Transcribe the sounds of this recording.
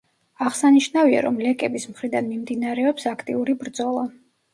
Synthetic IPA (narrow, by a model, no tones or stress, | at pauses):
aʁsaniʃnavia̰ɾɔ̰mlɛkʼɛbismχɾid̪anmimd̪inaɾɛɔpsakʰt̪ʼḭuɾibɾd̪zɔlˠa